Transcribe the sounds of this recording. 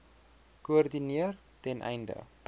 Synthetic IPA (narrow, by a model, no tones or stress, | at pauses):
kuərdiniər | tɛnʔɛ̰jndə̰